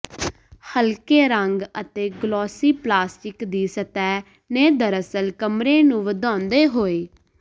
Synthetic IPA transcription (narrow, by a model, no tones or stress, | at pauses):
həlkeːɾəŋɡət̪eːɡlɔːsiːplaːsʈɪkd̪iːsət̪ɛː | neːd̪əɾəsəlkəmɾeːnũːʋəd̪ɔ̃ːnd̪eːɦoːeː